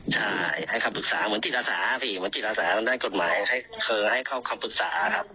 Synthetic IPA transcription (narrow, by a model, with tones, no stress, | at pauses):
t͡ɕʰa˥˩jha˧˩jkʰa˧˩mpʰɯ˧k̚saː˨˩˦mɯ˩˦nt̪i˧˩t̪̚ʔaː˧saː˩˦˧pʰiː˧˩mɯ˩˦nt̪i˨˩t̪ʔaː˧saː˩˦ɯ˧˦ndaː˧˥˨nko˨˩t̪̚maː˩˦jhʰa˧˥˩jkʰɤː˧ha˧˥˩jkʰa˧˩wkʰa˧˩mpʰɯ˧˩k̚saː˩˦kʰa˦˥p̚